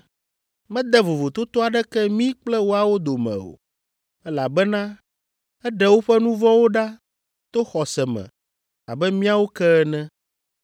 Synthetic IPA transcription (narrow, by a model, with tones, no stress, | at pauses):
mɛ̃˦d̪ɛ˦vo˨vo˨t̪o˦t̪ɔ˦a˨ɖɛ˦kɛ˦mĩ˦k͡plɛ˦wo˦a˨wo˦d̪o˨mɛ̰̃˨o̰˨ | ɛ˦la˨bɛ˦nã˦ | ɛ˦ɖɛ˨wo˦ɸɛ˦nũ˦vɔ̃˦wo˦ɖa˦ | t̪o˦xɔ˨sɛ˨mɛ̰̃˨ | a̰˨bɛ˦mĩ˦a˦wo˦kɛ˦ɛ˦nɛ̃˦